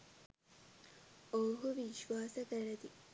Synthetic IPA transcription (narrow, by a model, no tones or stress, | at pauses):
oːɦuʋiʃʋaːsɐkɐɾɐd̪i